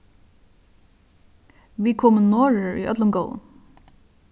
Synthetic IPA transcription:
ʋiːkʰɔːmənnɔːɹəɹʏ̰ʔœ̰t̪lʊmɡɔʊə̰n

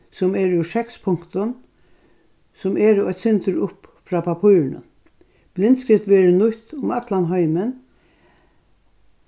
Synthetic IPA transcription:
sɔmɛːɾʊʂɛkspʰʊŋkt̪ʊn | sɔmɛːɾɔjt̪sɪnt̪əɾʊpfɾaːpʰapʰuːɾnə̰ | b̥lɪnt̪skɾɪft̪ʋɛːɾənʊt̪ʊmɑt̪lanɦœɪmən

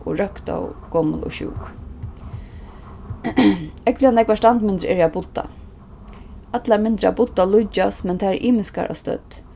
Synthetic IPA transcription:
ʔʊɹœkt̪a̰wɡ̥ɔmə̰lɔ̰ʃṵːk | ɛkvlɪanɛkvaʂtand̪mɪnd̪ɾɛ̰ːɾabʊt̪ːa̰ | at̪lamɪnd̪ɾa̰bʊt̪ːalʊt͡ʃːasmɛnt̪ʰaːɛɹʔiːmɪska̰ɾʔa̰st̪œ̰t̪ː

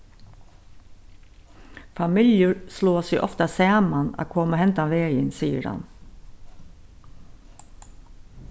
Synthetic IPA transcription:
fɑmɪljʊɹsloːsɪʔɔft̪ɑsæːmanɑ̰ːkʰoːməhɛnt̪aʋeːjənsiːə̰ɾhɑ̰n

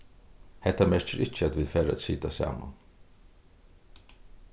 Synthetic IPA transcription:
hɛht̪ːamɛɹt͡ʃɪɾʔɪt͡ʃːəæt̪ʋiːðfæːɾaæ̰t̪siːt̪asɑ̰ːma̰n

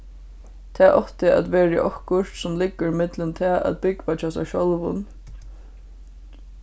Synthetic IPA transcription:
t̪ʰɛːʔɔht̪ɪʔa̰t̪ʋɛːɹɪ̰ʔɔhkʊʂt̪sʊmlɪkːəɾɪmɪt̪lɪnt̪ʰɛːʔa̰t̪̚bɪkʋat͡ʃʰaːsɛ̰ʃɔlvʊ̰n

